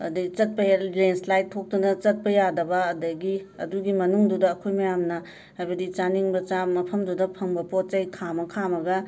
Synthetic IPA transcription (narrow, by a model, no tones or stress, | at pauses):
ɐ̰dɐit͡ʃɐt̚pɐjaɾenslajt̚tʰːok̚tunɐt͡ʃɐt̚pɐjadɐbɐːdɐɡiɐ̰duɡimɐnuŋdudɐːkʰojmɐjamnɐ | hajbɐdit͡ʃaniŋbɐt͡ʃamɐpʰɐmdudɐpʰɐŋbɐpot̚t͡ʃɐjkʰamɐkʰamɐɡɐ